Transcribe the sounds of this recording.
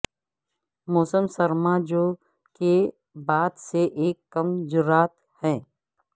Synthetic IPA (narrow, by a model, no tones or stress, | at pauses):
mɔːsəmsɐɾmaːd͡ʒo | ke | baːd̪seʔeːkːɐmd͡ʒʊɾaːt̪ | hɛ̃ː